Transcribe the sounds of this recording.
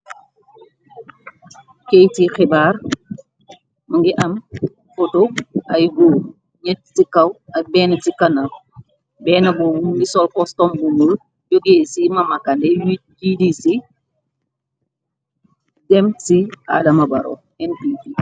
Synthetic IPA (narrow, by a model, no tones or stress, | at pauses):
kejtixɛbaːr | mɐŋɡiʔɐm | fotoɐjɡu | ɲɛttikɐwɐbɛːnɐtikɐnɐl | bɛːnɐbuɡisɔlkɔstɔmbumul | joɡeːsimɐmɐkɐndɛjjidisi | dɛmtia̰dɐmɐbɐɾo̰ | ɛnpiti